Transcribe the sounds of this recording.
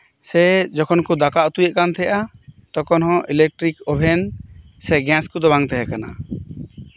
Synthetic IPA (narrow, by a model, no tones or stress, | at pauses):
sɛd͡ʒɔkʰɔnkud̪akaʔt̪ujɛʔkant̪ʰɛʔat̪ɔkɔnɦɔ̃ʔilɛk̚ʈɾikɔbʱɛn | sɛɡɛ̃skud̪ɔbaŋt̪ɛɦɛkana̰